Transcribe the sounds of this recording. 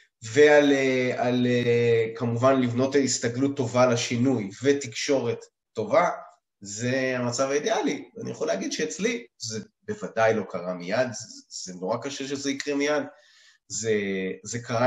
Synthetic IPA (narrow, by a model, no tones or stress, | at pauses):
ve̞alealeekamuvanlivno̞tist̪aɡlut̪ːo̞valaʃinujvetikʃo̞ʁe̞t̪ː | o̞va | ze̞amat͡savaid̪ealianḭjeχolaːɡid̪ʃeːt͡slizebe̞vadajlo̞kʰaʁamijad̪z̥enoʁakaʃeʃezeikʁemijad | zezekaʁa